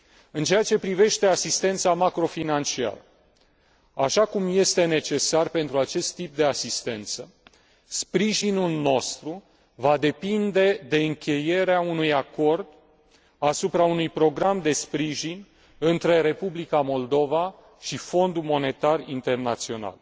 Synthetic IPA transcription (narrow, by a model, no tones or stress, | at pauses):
ɨnt͡ʃe̞jat͡ʃe̞pɾive̞ʃt̪e̞asist̪e̞nt̪samakɾo̞finant͡ʃia̰ɾə | aʃakumje̞st̪e̞ne̞t͡ʃe̞sarpe̞nt̪ɾuat͡ʃe̞st̪ːip̚d̪e̞asist̪e̞nt̪sə | spɾiʒinulno̞st̪ɾu | vad̪e̞pind̪e̞d̪e̞ɨŋkʲe̞je̞ɾeaunujako̞rd̪ | asupɾaunujpɾo̞ɡɾamd̪e̞spɾiʒinʲ | ɨnt̪ɾe̞ɾe̞publikamo̞ld̪o̞va | ʃifo̞nd̪ulmo̞ne̞t̪arint̪e̞rnat̪sio̞na̰l